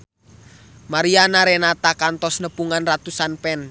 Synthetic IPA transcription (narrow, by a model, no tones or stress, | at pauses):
maɾianaɾenat̪akant̪ɔsnəpuŋanrat̪usanpɛn